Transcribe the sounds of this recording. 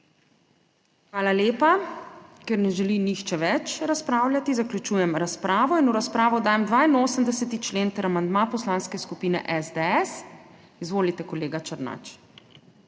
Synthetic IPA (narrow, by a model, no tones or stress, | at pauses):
xʋaːlaleːpa | kɛɾnɛʒɛlinixt͡ʃɛʋɛt͡ʃɾaspɾaːwlʲjat̪izaklʲut͡ʃuːjɛmɾaspɾaːʋɔinuɾaspɾaːʋɔd̪aːjɛmd̪ʋaːinoːsəmd̪ɛsɛt̪it͡ʃleːnt̪əɾamand̪mapɔslaːnskɛskupiːnɛ̰ʔɛzd̪ɛɛs | izʋoːlit̪ɛkɔleːɡat͡ʃəɾna̰t͡ʃ